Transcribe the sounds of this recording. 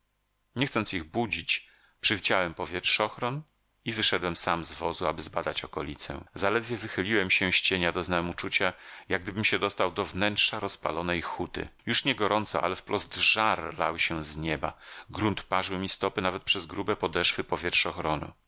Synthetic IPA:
ɲɛxt̪sɔnt̪sʲiɣbud͡ʑit͡ɕ | pʂɛvʲid͡ʑawɛmpɔvʲjɛtʂɔxɾɔn | ivɘʂɛd̪wɛmsamzvɔzuabɘzbad̪at͡ɕɔkɔlʲit̪sɛ̰̃zalɛd̪vʲjɛvɘxɘlʲiwɛmɕɛ̃ɕt͡ɕeɲad̪ɔznamut͡ʂut͡ɕajaɡ̚d̪ɘbɘmɕɛd̪ɔst̪awd̪ɔvnɛntʂaɾɔspa̰lɔnɛjxut̪ɘ̰juʂɲɛɡɔɾɔnt̪sɔ̰ʔa̰lɛfpɾɔzd̪ʐaɾla̰wɕɛzɲɛba̰ɡɾunt̪paʐɨwmʲist̪ɔpɘnavɛt̪̚pʂɛzɡɾubɛpɔd̪ɛʂfɘpɔvʲjɛtʂɔxɾɔnṵ

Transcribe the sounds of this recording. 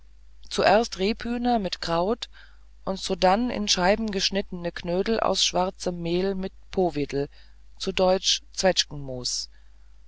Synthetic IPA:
t͡suʔɛːɐstʁeːpʰyːnɐmɪtkʁ̥aʊt | ʔʊntz̥odanɪ̰nʃaɪbm̩ɡəʃnɪtənəkʰnøːdl̩ʔa̰ʊsʃv̥aʁt͡səmːeːlmɪt̚pʰoːvɪdl̩ | t͡sudɔʏt͡ʃt͡sv̥ɛt͡ʃkŋ̩moːs

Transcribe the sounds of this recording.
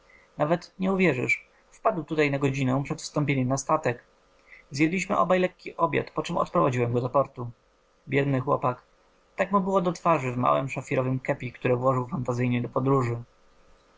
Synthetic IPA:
navɛt̪ɲɛuvʲjɛʐɘ̰ʂ | fpad̪wt̪ut̪ajnaɡɔd͡ʑinɛ̃pʂɛt̪fst̪ɔmpʲjeɲɛmnast̪at̪ɛk | zjɛd̪lʲiɕmɘʔɔ̰bajlɛkʲːiʔɔbʲja̰t̪pɔt͡ʂɛmɔ̰t̪pɾɔvad͡ʑiwɛmɡɔd̪ɔpɔɾt̪u | bʲjɛd̪nɘxwɔ̰pak | t̪akmubɘwɔd̪ɔt̪faʐɘvma̰wɛmʂafʲiɾɔvɘmkɛpʲikt̪uɾɛvwɔʐɘwfant̪azɘjɲɛd̪ɔpɔd̪ɾuʐɘ

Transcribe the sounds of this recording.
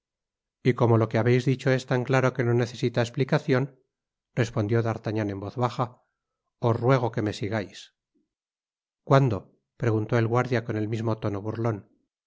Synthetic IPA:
iko̞mo̞lo̞keaβe̞jzðit͡ʃo̞e̞st̪aŋklaɾo̞ke̞no̞ne̞θe̞sit̪aesplikaθjo̞n | rre̞spond̪jo̞ðaɾt̪aɲanẽ̞mbo̞θβaxa | o̞srwe̞ɣ̞o̞ke̞me̞siɣajs | kwand̪o̞ | pɾe̞ɣunt̪o̞elɣwaɾðjako̞ne̞lmizmo̞t̪o̞no̞βurlo̞n

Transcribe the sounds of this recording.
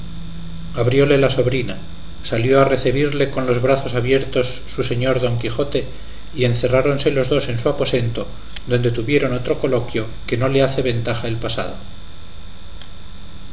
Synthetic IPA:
aβɾjo̞le̞laso̞βɾina | saljo̞are̞θiβ̞iɾle̞ko̞nlo̞zβɾaθo̞saβje̞ɾt̪o̞sːuse̞ɲo̞ɾðo̞ŋkixo̞t̪e̞ | ie̞nθe̞raɾo̞nse̞lo̞zðo̞se̞nsuapo̞se̞nt̪o̞ | d̪o̞nd̪e̞t̪uβje̞ɾo̞no̞t̪ɾo̞ko̞lo̞kjo̞ | ke̞no̞le̞aθe̞βe̞nt̪axaelpasa̰ð̞o̞̰

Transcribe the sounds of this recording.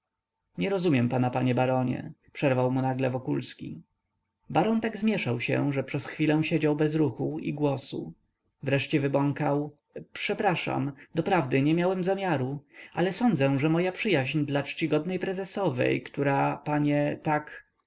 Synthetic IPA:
ɲɛɾɔzumʲjɛmpanapaɲɛbaɾɔɲɛ̰pʂɛɾvawmunaɡlɛvɔkulskʲḭ | baɾɔnt̪aɡzmʲjɛʂawɕɛ̰ʐɛpʂɛsxfʲilɛw̃ɕed͡ʑawbɛzɾuxuḭɡwɔsṵ | vɾɛʂt͡ɕɛvɘbɔŋkaw | pʂɛpɾaʂa̰md̪ɔpɾavd̪ɘɲɛmʲjawɛmzamʲjaɾua̰lɛsɔnd̪zɛʐɛmɔjapʂɘjaʑɲd̪lat͡ʂt͡ɕiɡɔd̪̚nɛjpɾɛzɛsɔvɛ̰jkt̪uɾapaɲɛt̪ak

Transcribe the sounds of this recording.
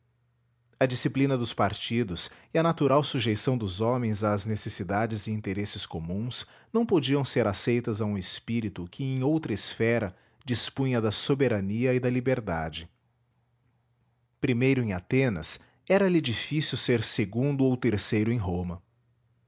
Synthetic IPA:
ɐd͡ʒisiplinɐd̪ʊspaɾt͡ʃid̪ʊsɪɐnat̪uɾawsuʒejsɐ̃w̃d̪ʊzɔmẽj̃zɐːznesesid̪ad͡ʒɪzɪĩnt̪eɾesɪskomũs | nɐ̃w̃pod͡ʒiɐ̃w̃seɾasejt̪ɐzɐũɪspiɾit̪ʊkʰɪẽj̃owt̪ɾɐɪsfɛɾɐ | d͡ʒispũjɐd̪ɐsobeɾɐniɐɪd̪ɐlibeɾd̪ad͡ʒɪ | pɾimejɾʊẽat̪ẽnɐ̰s | ɛɾɐlid͡ʒifisiwseɾseɡũnd̪ʊowt̪eɾsejɾʊẽj̃ɦõmɐ

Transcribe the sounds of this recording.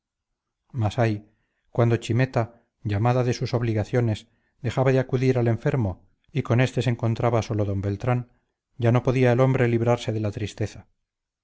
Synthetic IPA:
masaj | kwand̪o̞t͡ʃime̞t̪a | ʝamaðaðe̞suso̞βliɣaθjo̞ne̞s | d̪e̞xaβaðeakuðiɾale̞ɱfe̞ɾmo̞ | iko̞ne̞st̪e̞seŋko̞nt̪ɾaβaso̞lo̞ðo̞mbe̞lt̪ɾan | ɟ͡ʝano̞po̞ðiaelo̞mbɾe̞liβɾaɾse̞ðelat̪ɾist̪e̞θa

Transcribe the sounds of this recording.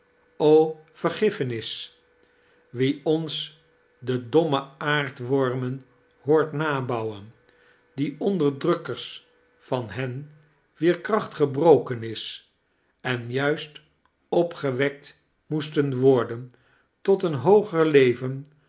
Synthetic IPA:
oːfəɹχɪfənɪs | ʋiɔns | dədɔməaːɹtʋɔɹmən | hʊːɹtnaːbʌwən | diɔndəɹdrɵkəɹs | fɑnɦɛn | ʋɪːɹkrɑχtχəbrowkənɪs | ɛnjœɥst | ɔpχəʋɛk̚t | mustənʋɔɹdən | tɔtənɦowχəɹlejvən

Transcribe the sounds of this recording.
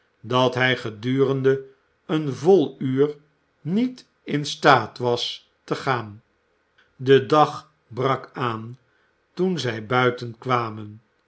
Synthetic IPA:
dɑtɦɛjχədyːrəndə | ənvolˠyːɹ | nit | ɪnstaːtʋɑs | təχaːn | dədɑχ | brɑkaːn | tunzɛjbœɥtənkʋaːmən

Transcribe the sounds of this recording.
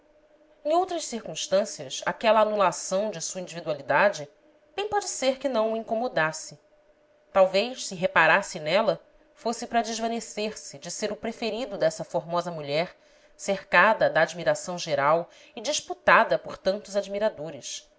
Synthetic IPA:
ẽowt̪ɾɐʃsiɾkũʃt̪ɐ̃siɐʃa̰kɛlɐːnulasɐ̃w̃d͡ʒɪsuɐĩd͡ʒivid̪ualid̪ad͡ʒɪ | b̥ẽj̃pɔd͡ʒɪseɾkɪnɐ̃w̃ʊĩŋkomod̪asɪ | t̪awvejʃsɪɦepaɾasɪnɛlɐ | fosɪpɾɐd͡ʒɪʒvɐ̃neseɾsɪd͡ʒɪseɾʊpɾefeɾid̪ʊd̪ɛsɐfoɾmɔzɐmuʎɛɾ | seɾkad̪ɐd̪ɐːd͡ʒmiɾasɐ̃w̃ʒeɾaw | ɪd͡ʒiʃput̪ad̪ɐpoɾt̪ɐ̃nt̪ʊzad͡ʒmiɾad̪oɾɪʃ

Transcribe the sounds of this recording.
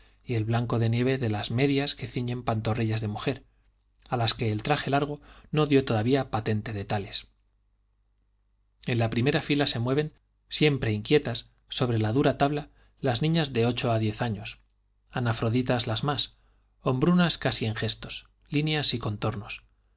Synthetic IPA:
ie̞lβlaŋko̞ðe̞nje̞β̞e̞ðe̞lazme̞ðjaske̞θiɲe̞mpant̪o̞riʎazðe̞muxe̞ɾ | alaske̞ːlt̪ɾaχe̞laɾɣ̞o̞no̞ðjo̞t̪o̞ðaβiapat̪e̞nt̪e̞ðe̞t̪ale̞s | e̞nlapɾime̞ɾafilase̞mwe̞β̞e̞n | sje̞mpɾe̞iŋkje̞t̪asː | o̞β̞ɾe̞laðuɾat̪aβla | laznĩɲazðe̞o̞t͡ʃo̞aðje̞θaɲo̞s | anafɾo̞ðit̪azlazmas | o̞mbɾunaskasieŋxe̞st̪o̞̥s | linjasiko̞nt̪o̞ɾno̞s

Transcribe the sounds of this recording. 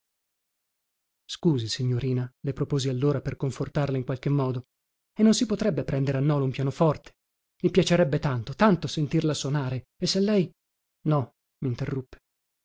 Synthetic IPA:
skuːzisiɲːoɾiːnalepɾopoːzialːoːɾaperkoɱfort̪arlaiŋkwalk̟emːɔːd̪o | enːonsipot̪ɾɛbːepɾɛnd̪eɾeanːɔːloumpjaːnofɔrt̪e̥ | mipjat͡ʃeɾɛbːet̪ant̪ot̪ant̪osent̪irlasonaːɾe | esːelːɛj | nɔ | miːnt̪erːupːe̥

